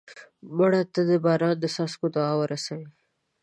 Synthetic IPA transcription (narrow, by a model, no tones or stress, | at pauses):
mʊɽat̪ad̪əbɑːɾɑnd̪əsɑskod̪oɑwəɾasawi